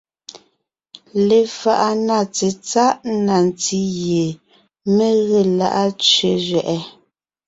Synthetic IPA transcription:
le˨fa˨ʔa˦˨na˦˨t͡se˨t͡sa˦ʔna˨n˨t͡si˦je˨ | me˦˨ɣe˦˨la̰˦ʔa˦t͡sɥe˨zɥɛ˨ʔɛ˨˦

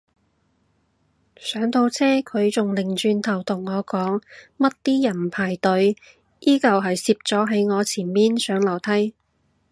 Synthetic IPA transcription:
sœː˨˥ŋt̪ʰo˧wt͡sʰɛː˥kʰɵ˨˧ɥt͡sʊ˨ŋlɪ˨˩ŋt͡ʃyː˧nt̪ʰɐ˨˩wt̪ʰʊ˨˩ŋːɔː˨˧kɔː˨˥ŋmɐ˥t̚t̪iː˥jɐ˨˩npʰaː˨˩jt̪ɵ˨˧˥ɥ | ʔiː˥kɐ˨wɦɐ˨jsiː˧p̚t͡sɔː˨˥ɦe˨˥jŋɔː˨˧t͡sʰiː˨˩nmiː˥nsœː˨˥ŋlɐ˨˩wt̪ʰɐ˨˥j

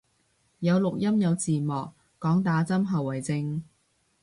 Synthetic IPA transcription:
jɐ˨˧wlʊ˨k̚jɐ˥mjɐ˨˧wt͡siː˨˩mɔː˨k̚ː | ɔː˨˥ŋt̪aː˨˥t͡sɐ˥mɦɐ˨wːɐ˨jt͡sɪ˧ŋ

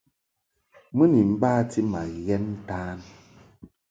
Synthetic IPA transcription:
mɨ˦ni˨m̩˦baː˦ti˦ma˨ɣɛ˦n˦taː˦n

